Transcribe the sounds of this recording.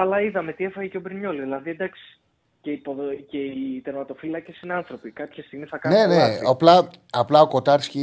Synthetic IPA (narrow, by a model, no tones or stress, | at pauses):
ɐlɐiðɐme̞t̪iefɐʝeceobɾɲo̞liðlɐðied̪ɐksi̥ | ceipoðce̞it̪eɾmɐt̪o̞filɐce̞sinɐnθɾo̞pikɐpçɐst̪iɣmisθɐkɐneneɐplɐɐplɐoko̞t̪ɐɾsci